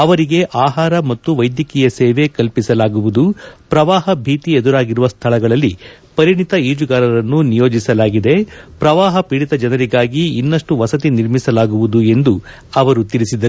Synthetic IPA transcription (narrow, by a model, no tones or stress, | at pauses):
ɐʋɐɾiɡe̞ʔaːɦaːɾɐmɐt̪ːuʋɐjd̪jɐkijɐsɛːʋe̞kɐlpisɐlaːɡuʋud̪upɾɐʋaːɦɐbʱiːt̪ied̪uɾaːɡiɾuʋɐst̪ʰɐlɐɡɐɭɐlːi | pɐɾiɳit̪ɐiːd͡ʒuɡaːɾɐɾɐnːunijo̞ːd͡ʒisɐlaːɡid̪e̞pɾɐʋaːɦɐpiːɽit̪ɐd͡ʒɐnɐɾiɡaːɡiːnːɐʂʈuʋɐsɐt̪̬iniɾmisɐlaːɡuʋud̪ue̞nd̪u | ɐʋɐɾut̪iɾisid̪ɐ